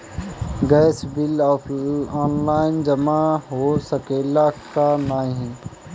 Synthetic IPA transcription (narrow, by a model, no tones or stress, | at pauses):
ɡɛːsbɪlɔːfʰɔːnlaːɪnd͡ʒəmaɦosəkeːlakanãːɦĩ